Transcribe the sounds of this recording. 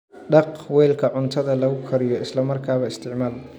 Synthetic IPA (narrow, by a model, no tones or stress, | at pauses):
ɖɑqwɛjlkʰɐʕʊnt̪ʰɐðɐlɐɣʊkʰɐɾɪjɔɪslɐmɐrkʰaːβɐɪst̪ʰɪʕmaːl